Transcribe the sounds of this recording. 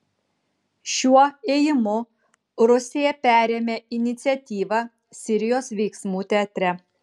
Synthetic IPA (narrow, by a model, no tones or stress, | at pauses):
ʃʲuɔeːjɪmʊ | ɾʊsʲeːjɛpʲæːɾʲeːmʲeːɪnʲɪt̪sʲɛt̪ʲiːʋɑ | sʲɪɾʲɪjoːsʋʲɛɪksmuːt̪ʲɛɐt̪ʲɾʲɛ